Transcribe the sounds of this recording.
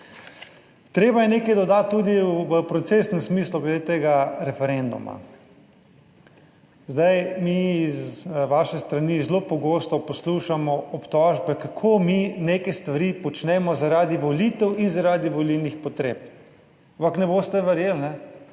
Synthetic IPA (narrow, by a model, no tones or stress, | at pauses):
t̪ɾeːbajɛneːkɛjd̪ɔd̪at̪ːud̪iʋəpɾɔt̪seːsnənsmiːsluɡlɛd̪et̪eːɡaɾɛfɛɾend̪ṵma̰ | zd̪ajmiizʋaːʃɛst̪ɾanizlopɔɡoːst̪ɔpɔsluːʃamɔɔpt̪ɔːʒbɛkakʰominekɛst̪ʋaɾiːpɔt͡ʃnɛmɔzaɾaːd̪iʋolit̪ɛwinzaɾaːd̪iʋɔlilnixpɔt̪ɾeːp̚ | ampaknɛboːst̪ɛʋɛɾjeːlnɛ